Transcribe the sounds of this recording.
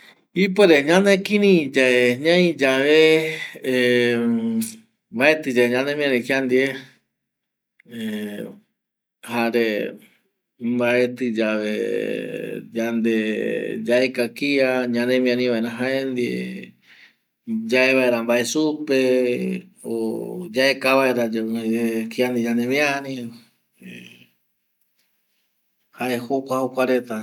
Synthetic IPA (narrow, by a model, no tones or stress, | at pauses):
ip̬eɾeɲãnekĩnĩd͡ʒaeɲãĩd͡ʒaʋe | baet̪ɨd͡ʒaeɲãnẽmĩãɾĩkiand̪ie | e | haɾe | mbaet̪ɨd͡ʒaʋḛ | d͡ʒand̪ed͡ʒaekakiaɲãnẽmĩãnĩβaeɾãɦaend̪iḛ | d͡ʒaeβaeɾambaesupe | od͡ʒaʔekaβaeɾa | kiand̪id͡ʒãnẽmĩãnĩ | e | haehokʷahokʷaɾe̞t̪a